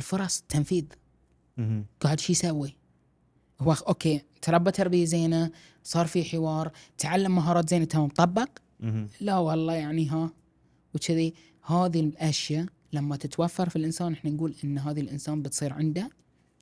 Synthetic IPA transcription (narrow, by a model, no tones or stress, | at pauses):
lfʊɾˤɑsˤt̪ʰːamfiːð | ɡ̥aːʕɪd̪ʃiːsawːi | hwːaʔoːkeː | t̪ɾˤɑbːat̪ɑɾˤbijazeːna | sˤɑːɾˤfiħɪwɑːɾˤt̪ʕalːamːaɦɑːɾˤɑːt̪zeːnat̪amabt̪ˤɑbːɑq | lawɑlˤːɑːjaʕniɦa | wɪt͡ʃːɪði | haːðiʔaʃja | lamːat̪ɪt̪wafːɑɾˤfilʔɪnsaːnʔɪħnanɡuːlʔɪnːɦaːðilʔɪnsaːnbɪt̪sˤiːɾʕɪnd̪a